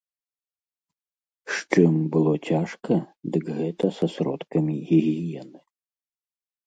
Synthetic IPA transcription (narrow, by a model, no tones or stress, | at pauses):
ʂt͡ʂɨmbɨlˠɔt͡sʲaʂkɐd̪ɨkɣɛt̪ɐsɐsɾɔ̰t̪kɐmʲiɣʲiɣʲijɛnɨ